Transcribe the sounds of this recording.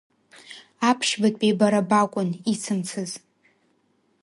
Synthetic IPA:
apʰʃbatʼebaɾabakʷʼʊnit͡sʰɨmt͡sʰɨz

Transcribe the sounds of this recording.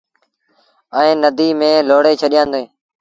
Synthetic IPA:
əẽːnəd̪iːmẽːloːɽeːt͡ʃʰəɗɪjãːnd̪oẽː

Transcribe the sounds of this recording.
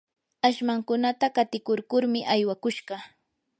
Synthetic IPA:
aʃmaŋkʊnat̪akat̪ɪkʊɾkʊɾmɪʔajwakʊʃɢɑ

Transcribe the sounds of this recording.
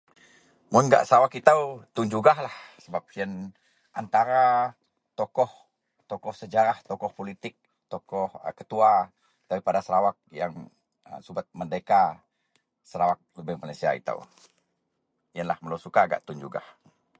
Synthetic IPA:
mʊnɡa̰ʔsəɾawakit̪awt̪ʊnd͡ʒuɡahlahsəbap̚iən | ʔa̰nt̪aɾa | t̪ɔkɔh | t̪ɔkɔhsəd͡ʒaɾaht̪ɔkɔhpolit̪ɪk̚ | t̪ɔkɔhkət̪ua | d̥aɾipadasəɾawak̚jaŋ | ə̰subat̪̚məndeka | səɾawak̚ləbəhmalasia̰ḭt̪a̰w | jənlahməlosukaːɡa̰ʔt̪und͡ʒuɡa̰h

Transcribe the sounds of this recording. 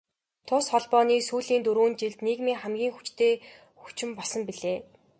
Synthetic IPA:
t̪ʰʊsχɔɮpɔːniːsuːɮiːnt̪uɾuːnt͡ɕiɮt̪neːkmiːŋχæmɡʲiːŋxu̥t͡ɕt̪ʰeː | xu̥t͡ɕɪ̆mpɔsə̆mpiɮeː

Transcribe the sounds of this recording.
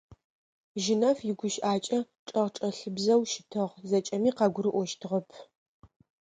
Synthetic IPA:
ʒɪnɐfjɪɡʷʊʃʔaːt͡ʃʼɐ | ʈ͡ʂʼɐʁʈ͡ʂʼɐɬɨbzɐwʃɪtʰɨʁzɐt͡ʃʼɐmiːqɑɡʷʊɾɨʔʷɔʃtʰɨʁɐpʰ

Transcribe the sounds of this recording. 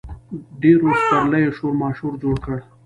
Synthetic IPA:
ɖ̪eɾospaɾləjeʃoɾmɑːʃhuɾd͡ʒoɽkəɽ

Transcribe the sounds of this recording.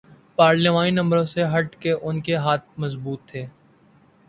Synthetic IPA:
paːɾleʋãːninɐ̃mbəɾõseɦɐʈkeʔʊnkeɦaːt̪̚mɐzbuːt̪ʰːeː

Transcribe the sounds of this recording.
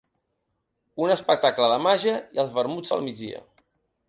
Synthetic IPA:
unəspək̚t̪akləðəmaʒəiəlˠzβəɾmud͡zə̰lˠmid͡zðḭə̰

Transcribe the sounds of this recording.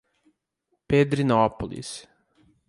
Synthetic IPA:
ped̪ɾinopolˠḭs

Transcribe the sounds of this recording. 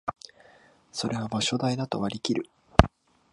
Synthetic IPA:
so̞ɾe̞βamoːɕo̞d̪aid̪at̪o̞βaɾʲikʲiɾɯ̟

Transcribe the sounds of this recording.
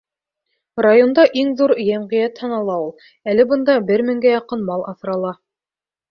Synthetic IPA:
rajond̪ɑʔiŋðuɾjæmʁĭjæt̪hɑnɑlˠɑulˠ | ælɘ̆bɤ̆nd̪ɑbɘɾmɘ̆ŋɡæjɑqɤnmɑlˠɑθɾɑlˠɑ

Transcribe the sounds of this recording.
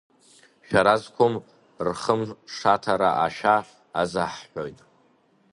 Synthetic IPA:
ʃᶣaɾazkʷʰom | rχəmʂatʰaɾaʔaʃᶣaː | zaħħʷojtʼ

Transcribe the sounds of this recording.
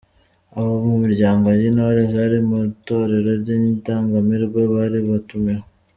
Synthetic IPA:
aβomumiɾɟaːŋɡo̞jinaaɾezaɾimuto̞ɾe̞ɾo̞ɾɟiɲitaːŋɡamiɾɡwe̞βaɾiβatume

